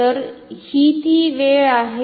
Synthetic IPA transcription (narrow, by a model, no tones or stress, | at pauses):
əɾhit̪iʋeɭaɦe